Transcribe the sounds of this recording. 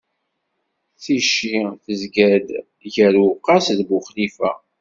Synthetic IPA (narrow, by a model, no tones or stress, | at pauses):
t͡siʃiθəzɡæd̪ | ʝəɾuqːɑsðbʊχlifæ̰